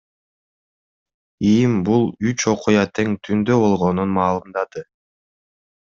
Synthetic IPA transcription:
imbulˠyt͡ʃo̞qujɑt̪ʰe̞ŋt̪ʰynd̪øβo̞lˠʁo̞nunmɑːlˠɯmd̪ɑd̪ɯ

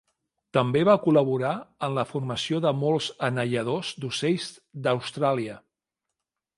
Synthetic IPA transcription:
t̪əmbeβakuləβuɾaənləfurməsioðəmolˠzənəʎəð̞ozd̪useʎz | d̪əwst̪ɾaliə

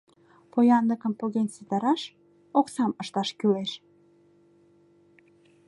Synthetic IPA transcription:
pojɑnləkəmpoɣenset̪ɑɾɑʃ | oksɑməʃt̪ɑʃkyleʃ

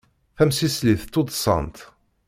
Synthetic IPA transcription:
θæmsisliθt̪ːod̪ˤsˤɑ̰nt̪

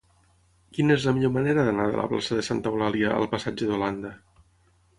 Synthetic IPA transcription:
kinəezləmiʎoməneɾəðənaðə̰lə̰pla̰səðəsant̪əwlaliəə̰lˠpəsad͡ʒəðuland̪ə

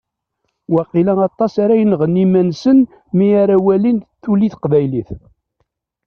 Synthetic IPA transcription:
wæqilæŋɑt̪ˤːɑsaɾæjənʁənːimænsən | miaɾawælinθuliθqvæjliθ

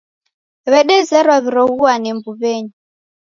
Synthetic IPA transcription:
βɛɗɛzɛɾwaβiɾɔɦuwanɛmbuβeːɲu

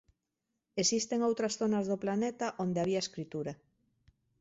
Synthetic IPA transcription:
esist̪eŋowt̪ɾɐsθonɐzðoplanet̪aʔond̪eaβ̞iaeskɾit̪uɾa

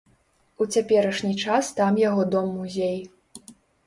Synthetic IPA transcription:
ut͡sʲapʲɛɾɐʂnʲit͡ʂast̪amjaɣɔd̪ɔmːuzʲej

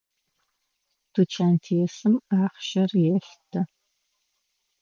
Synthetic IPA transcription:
d̥ut͡ʃʰaːntʰijɛsɨmaːχʃɐrjɛɬtʰɐ

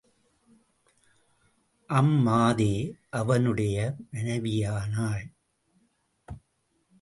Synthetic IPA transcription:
ʔɐmːaːðeːʔɐʋɐnɯɽɐjɐmɐnɐʋɪjaːnaːɭ

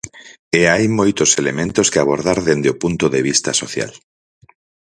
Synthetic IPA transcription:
eajmojt̪oselemẽnt̪oskɪaβ̞oɾðaɾðend̪eopunt̪oðeβ̞ist̪ɐsoθja̰l

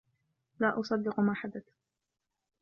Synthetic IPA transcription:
laːʔɑsˤɑd̪ːɪqʊmaːħad̪at̪

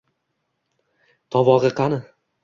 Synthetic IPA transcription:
t̪ʰɒvɒʁɨqʰɑnɪ

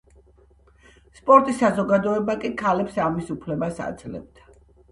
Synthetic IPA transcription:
spʼɔɾt̪ʼisazɔɡad̪ɔɛbakʼikʰalɛpsamisupʰlɛbasa̰d̪zlɛ̰bd̪̥a

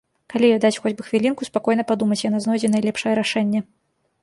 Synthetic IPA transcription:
kalʲijɔd̪at͡sʲxɔd͡zʲbɨxvʲilʲinkuspakɔjnɐpad̪umɐt͡sʲjanaznɔjd͡zʲɛnɐjlʲɛpʂɐjɛɾaʂɛnʲːɛ

